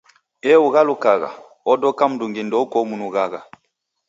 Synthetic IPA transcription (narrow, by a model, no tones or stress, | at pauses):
ɛuɣalukaɣa̰ | ɔdɔkam̩duŋɡindɔkɔmunuɣaɣa